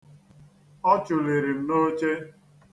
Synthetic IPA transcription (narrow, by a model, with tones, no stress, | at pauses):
ɔ˦t͡ʃʊ˨le˨ɾi˨m̩˨˦no˦t͡ʃe˦